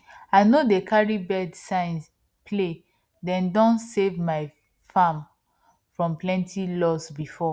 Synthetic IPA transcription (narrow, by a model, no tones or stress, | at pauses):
aɪnodekʰaɹibɛdsãɪ̃ns | pʰle | dɛ̃ndɔ̃nsevmaɪ | fãm | fɹɔ̃mplɛ̃ntʰilɔsbifɔ